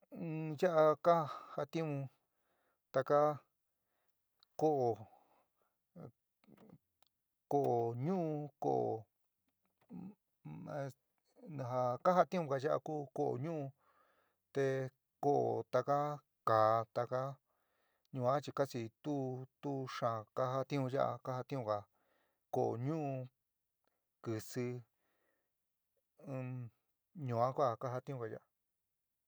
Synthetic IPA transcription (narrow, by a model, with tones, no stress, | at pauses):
ɨ̃˧ja˦ʔa˧ka˦ha˧t̪ĩ˦mũ˧ | t̪a˧ka˦ | ko˦ʔo˨ | ko˧ʔo˨ɲũ˦ũ˧ko̰˦˨ʔo̰˨ | ã˧ | nã˧ɦa˧ka˦ɦa˦t̪ĩ˦mũ˧ka˧˨ʒa˦ʔa̰˧kuː˦ko˦ʔo̰˨ɲũ˦ʔũ˧ | t̪e˧ | ko˦ʔo̰˨t̪a˧ka˦ | kaː˨t̪a˧ka˦ | ɲũ˧ã˦t͡ʃi˧ka˦t͡ʃi˧t̪u˦t̪u˦ʂã˨ka˦ɦa˦t̪ĩ˦ũ˧ʒa˦ʔa̰˧ka˦ha˧t̪ĩ˦ũ˧ka˨ | ko˨o̰˨ɲũ˦ũ˧ | kɨ˧sɨ˧ | ɲũ˧˨ã˦kʷa˦˨˧ka˦ɦa˧t̪ĩ˦ũ˧ka˧ja˦˧ʔa˧